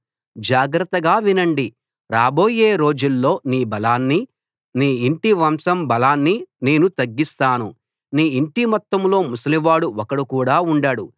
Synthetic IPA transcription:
d͡ʒaːɡɾɐt̪ːɐɡaːʋinɐɳɖi | ɾaːbo̞ːje̞ːɾo̞ːd͡ʒulːo̞ːniːbɐlaːnːi | niːiɳʈiʋɐmsɐmbɐlaːnːine̞ːnut̪ɐɡːist̪aːnu | niːiɳʈimɔt̪ːɐmlo̞ːmusliʋaːɽuɔkɐɽukuːɽaːuɳɖaːɽu

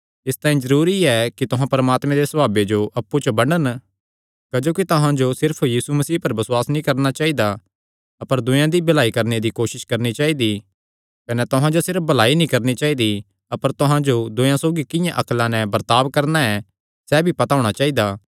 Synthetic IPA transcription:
ɪst̪aːĩzɐɾuːɾiɛkit̪ʊɦãpɐɾəmaːt̪mẽd̪esɐbaːbed͡ʒoʔɐpːut͡ʃobɐɽ̃ən | kɐd͡ʒoːkit̪ʊɦãd͡ʒosɪɾpʰjiːsumɐsiːpɐɾbɐswaːsnĩkɐɾnat͡ʃaːid̪a | ɐpəɾd̪ʊ̃jãd̪ibɐlaːikɐɾned̪ikoːʃɪʃkɐɾnit͡ʃaːid̪i | kɐnɛt̪ʊɦãd͡ʒosɪɾp̚ʰbɐlaːinĩkɐɾnit͡ʃaːid̪i | ɐpəɾt̪ʊɦãd͡ʒod̪ʊ̃jãsoːɡikɪ̃jãʔɐkʰlãnɛbɐɾt̪aːbkɐɾnaɛ | sɛbʱipɐt̪aːʊ̃ɽ̃at͡ʃaːid̪a

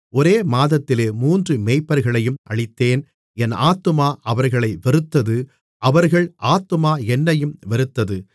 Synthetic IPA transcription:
ʔɔɾeːmaːðɐt̪ːɪleːmuːndrɯmeːɪpːɐɾɣɐɭɐjɯmʔɐɭɪt̪ːeːn | ɛnaːt̪ːɯmaːʔɐʋɐɾɣɐɭɐɪʋɛɾɯt̪ːɐðɯ | ʔɐʋɐɾɣɐɭʔaːt̪ːɯmaːɛnːɐjɯmʋɛɾɯt̪ːɐðɯ

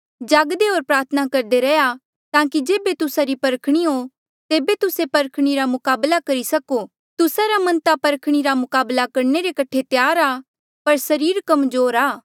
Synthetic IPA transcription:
d͡ʒaːɡd̪eɦoːɾpɾaːɾt̪ʰənakɐɾd̪eɾɐja | t̪ãːkid͡ʒeːbet̪ʊsaɾipɐɾkʰɽ̃iɦo | t̪eːbet̪ʊsepɐɾkʰɽ̃iɾamʊkaːblakɐɾisɐko | t̪ʊsaɾamɐ̃nt̪apɐɾkʰɽ̃iɾamʊkaːblakɐɾneɾekɐʈʰet̪jaːɾa | pɐɾsɐɾiːɾkɐmzoːɾaː

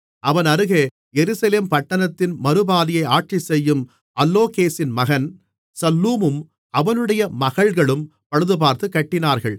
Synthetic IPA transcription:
ʔɐʋɐnɐɾɯɣeː | jɛɾɯsɐleːmpɐʈːɐnɐt̪ːɪnmɐɾɯbaːðɪjɐɪaːʈrisɛjːɯm | ɐlːoːkeːsɪnmɐɣɐn | sɐlːuːmɯm | ɐʋɐnɯɽɐjɐmɐɣɐɭɣɐɭɯm | pɐɻɯðɯpaːɾt̪ɯkɐʈːɪnaːɾɣɐɭ

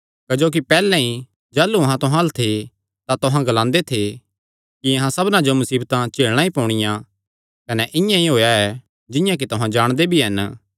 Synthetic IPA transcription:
kɐd͡ʒoːk̬ipɛːlɛ̃i | d͡ʒaːlːuɐɦãt̪ʊɦãlt̪ʰe | t̪at̪ʊɦãɡɐlãːnd̪et̪ʰe | kiɐɦãsɐbnãd͡ʒomɐsiːbt̪ãt͡ʃeːɭɽ̃ãipɔ̃ʊɽ̃ɪjã | kɐnɛʔɪjãiɦoːjaɛ | d͡ʒɪ̃jãk̬it̪ʊɦãd͡ʒaːɽ̃d̪ebʱiɦɐn

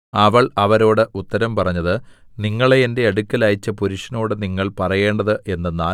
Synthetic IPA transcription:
ɐʋɐɭɐʋɐɾo̞ːɽɨʔut̪ːɐɾɐmpɐrɐɲːɐðɨniŋːɐɭeende̞ɐɽukʲːɐlaːjit͡ɕːɐpuɾuʂɐno̞ːɽɨniŋːɐɭpɐrɐje̞ːɳɖɐðɨʔe̞nːenːaː

